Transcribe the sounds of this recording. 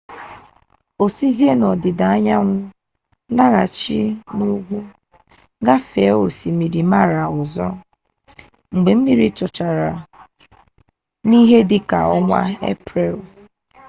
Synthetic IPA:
o˨si˦zi˦e˦nɔ˨dɪ˨da˨a˦ɲa˦ŋʷʊ˦ | na˦ɣa˨t͡ʃi˦nu˦ɡʷu˦ | ɡa˦fe˨˦o˨si˨mi˨ɾi˨ma˦ɾa˨ʊ˨zɔ˦ | ŋ͡m̩˨ɡ͡be˨m̩˦mi˨ɾi˦t͡ʃɔ˨t͡ʃa˨ɾa˨ | ni˦ɦe˦dɪ˦ka̰˨ɔ˦ŋʷa̰˦ḛ˦pɾe˨l

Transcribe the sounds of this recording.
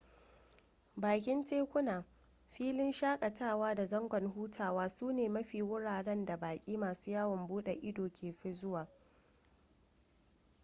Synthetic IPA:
baː˨k̬ʲɪ˦nt͡ʃeː˦kʷʊ˦naː˨ | ɸiː˦lɪ˦nʃaː˦kʼɐ˨taː˦˨waː˦da˨zɐ˦ŋɡʷɔ˨nɦuː˦tʰaː˨waː˦suː˦neː˨mɐ˦ɸiː˨wʊ˦ɽaː˨ɽɛ˦nda˨baː˨kʲʼiː˦maː˨suː˦jaː˦wɔ˨mbuː˦ɗe˨ʔɪ˦doː˨kʲʰeː˨ɸɪ˦zʊ˦waː˨

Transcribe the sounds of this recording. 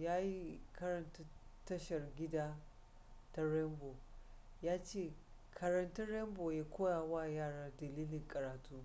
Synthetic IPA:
jaː˦ji˦kɐ˦ɾɐ˨nta˦tːɐ˦ʃɐ˨rɡʲɪ˦daː˦ | ta˦ɾɛ˦mboː˨ | jaː˦t͡ʃeː˦˨ | kʰɐ˨ɾɐ˨ntɐ˦ɽɛ˦mboː˨ja˦kʷoː˦jaː˨waː˦jaː˦˨ɽaː˦dɐ˨liː˦lɪ˨ŋkʼɐ˨ɾaː˨tʰuː˦

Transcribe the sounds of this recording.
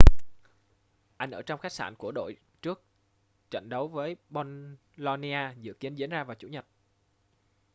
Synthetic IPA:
ʔa˧jŋ̟ʔəː˧˩t͡ɕɔ˧wŋ͡mxaː˦˥k̚sa̰ː˧˩nku˧˩əɗo̰˧˨j | t͡ɕɨ˦˥ək̚ | t͡ɕa̰˧˨jŋ̟ɗə˨˦wvəː˨˦jɓo˧n | lɔ˧ni˧ʔaː˧zɨ̰˧˨ki˨˦ənzḭ˧˦ənzaː˧vaː˨˩wt͡ɕṵ˧˩ɲə˨˩t̚

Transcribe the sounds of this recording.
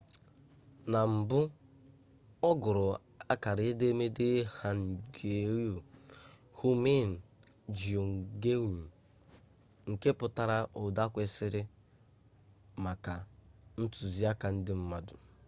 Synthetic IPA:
na˨m̩˨bʊ˦ | ɔ˦ɡʊ˨ɾʊ˨ | a˦ka˨ɾe˦de˦me˦de˦ha˨n̩˨ɡe˨ɾjo˨ | hu˦me˦˨n̩˨ | d͡ʒi˨o˨ŋ̩˨ɡe˦˨ɲ̩˨ | ŋ̩˨ke˦pʊ˨ta˦ɾa˦ʔo˨da˦kʷe˦sɪ˦ɾɪ˦ | ma˨ka˨n̩˦tʊ˨zi˦a˦ka˨n̩˦dɪ˦m̩˦ma˨dʊ˨

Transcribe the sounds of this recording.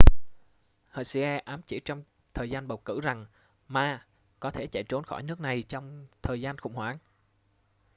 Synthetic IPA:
həː˨˩si˧ʔɛ˧ʔaː˨˦mt͡ɕḭ˧˩˦t͡ɕɔ˧wŋ͡m | t̪ʰəː˨˩jzaː˧nɓə˨˩wkɨ̰˧˩za˨˩ŋ | maː˧ | kɔ˨˦t̪ʰe˧˩t͡ɕa̰˧˨jt͡ɕo˨˦nxɔ˧˩jnɨ˦˥ək̚na˨˩jt͡ɕɔ˧wŋ͡mt̪ʰəː˨˩jzaː˧nxʊ̰˧˩ŋ͡mhwaː˧˩n

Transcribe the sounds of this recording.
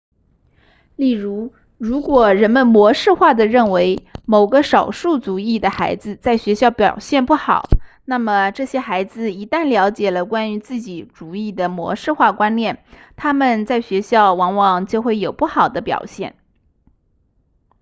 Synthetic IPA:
li˥˩ɻu˧˥ | ɻu˧˥kwɔ˨˩ɻə˧˥nmə˧nmwɔ˧˥ʂɻ̩˥˧xwa˥˩d̪ə˩ɻə˥˩nwe˧˥ɪmo˨˩ʊɡə˦ʂɑ˨˩ʊʂu˥˩t͡su˨˥i˥˩d̪ə˩xa̰˧˥ɪd͡zɹ̩˧t͡sa˥˩ɪɕɥɛ˧˥ɕjɑ˥˩ʊpjɑ˨˩ʊɕjɛ˥˧npu˥˩xɑ̰˨˩˦ʊ | na˥˩mə˩ʈ͡ʂɤ˥˩ɕjɛ˥xa˧˥ɪd͡zɹ̩˧i˧˥t̪a˥˩nljɑ˧˥ʊt͡ɕjɛ˨˩lə˦kwa˥ny˧˥t͡sɹ̩˥˩t͡ɕi˨˩˦ʈ͡ʂu˨˩i˥˩d̪ə˩mwɔ̰˧˥ʂɻ̩˥˧xwa˥˩kwa˥nnjɛ˥˩nt̪ʰa˥mə˨nt͡sa˥˩ɪɕɥɛ˧˥ɕjɑ˥˩ʊwɑ˧˥ŋwɑ˨˩ŋt͡ɕjo˥˧ʊxwe˥˩ɪjo˨˩ʊpu˥˩xɑ˨˩ʊd̪ə˦pjɑ̰˨˩ʊɕjɛ˥˩n

